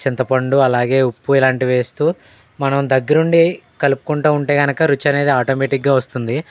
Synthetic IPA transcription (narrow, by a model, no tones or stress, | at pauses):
t͡ʃint̪ɐpɐɳɖuɐlaːɡe̞ːupːuilaːɳʈiʋe̞ːst̪uː | mɐnɐmd̪ɐɡːɐɾuɳɖikɐlupu̥kuɳʈuːuɳʈe̞ːɡɐnɐkɐɾut͡ʃːɐne̞ːd̪iaːʈoːmeːʈikɡaːʋɐst̪und̪i